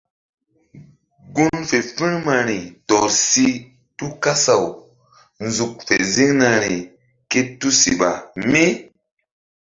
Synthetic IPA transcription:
ɡu˦nfe˨fi˦ɾma˨ɾi˨tɔ˨ɾsi˦ | tu˦ka˦sa˨w | nzu˨k̚fḛ˨zi˦ŋna˨ɾi˨ | ke˦tu˦sḭ˨ɓa˨mi˦

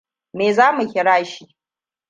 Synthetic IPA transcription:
meː˨zaː˦mu˨hʲɪ˨ɽaː˦ʃiː˦

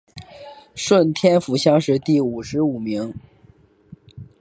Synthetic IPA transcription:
ʂwə˥˩nt̪ʰjɛ˥nfu˧˥ɕjɑ˥ŋʂɻ̩˥˧t̪i˥˩u˨˩ʂɻ̩˧˥u˨˩mi˧˥ŋ

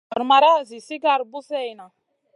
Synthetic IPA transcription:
a˨ɾma˨ɾa˦˨zi˨si˦ɡa˨ɾbu˦sɛ˦˨i˨na˨

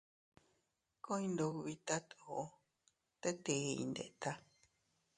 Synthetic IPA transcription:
kõ˦ĩ˧nd̪o˧ku˧βi˧t̪a˦t̪o˧˨o˦ | t̪e˦t̪e˨˧ḭ̃˧nd̪ḛ˨ʔt̪a˦

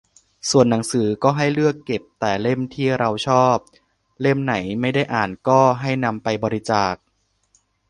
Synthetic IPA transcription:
su˨˩ənːa˩˦ŋsɯː˩˦kɔː˥˩ɦa˥˩jlɯ˥˩əkːe˨˩p̚t̪ɛː˨˩le˥˩mt̪ʰiː˥˩ɾa˧wt͡ɕʰɔː˥˩p̚ | le˥˩mna˩˦jma˥˩jda˥˩jʔaː˨˩nkɔː˥˩ɦa˥˩jna˧mpa˧jbɔː˧ɾi˧˦˥t͡ɕaː˨˩k̚

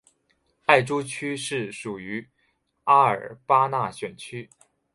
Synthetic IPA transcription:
a˥˩ɪʈ͡ʂu˥t͡ɕʰy˥ʂɻ̩˥˩ʂu˨˩y˧˥ | a˥ə̰˞˨˩pa˥na˥˩ɕɥɛ˨˩nt͡ɕʰy˥

